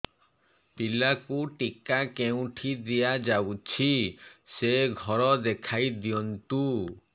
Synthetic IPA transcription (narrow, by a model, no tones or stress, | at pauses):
pilakuʈikakeũʈʰid̪ijad͡ʒawt͡ʃʰiseɡʱɔɾɔd̪ekʰajd̪iɔnt̪u